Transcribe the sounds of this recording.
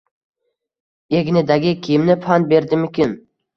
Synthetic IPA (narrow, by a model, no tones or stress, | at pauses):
e̞ɡʲnɪd̪aɡʲɪkʲʰijmnɪfʰanbe̞ɾd̪ɪmʊkʲɪn